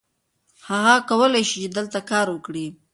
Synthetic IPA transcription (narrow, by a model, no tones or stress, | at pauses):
haɣakawəlajʃit͡ʃed̪əlt̪akɑɾwəkɽi